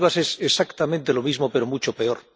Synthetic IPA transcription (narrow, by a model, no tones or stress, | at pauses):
βasesesakt̪amẽnt̪elo̞mizmo̞peɾomut͡ʃo̞pe̞oɾ